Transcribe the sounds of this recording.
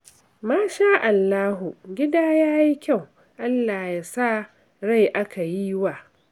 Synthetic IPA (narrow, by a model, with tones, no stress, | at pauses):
maː˦ʃaː˦ʔa˨lːaː˦ɦu˨ɡʲɪ˦daː˦jaː˦ji˦kʲa˦˨w | ʔa˦lːaː˨jaː˨sa˦ | ɽa˦˨jʔa˦ka˨ji˦waː˨